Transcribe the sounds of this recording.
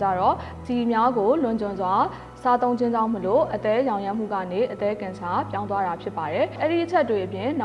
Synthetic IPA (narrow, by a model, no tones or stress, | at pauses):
t͡ɕa̰ɾɔ | d̪imjaɡolʊ̃ɲd͡ʑʊ̃nzwa | sat̪õʊ̃ɲd͡ʑɪ̃ɲd͡ʑã̰ʊ̃məloʔət̪ɛjãʊ̃jɛ̃m̥ṵɡa̰neʔət̪ɛkɪ̃nsʰapjãʊ̃nwaɾapʰjɪpːaɾɛʔɛɾiʔət͡ɕʰɛtːweʔəpjɪ̃na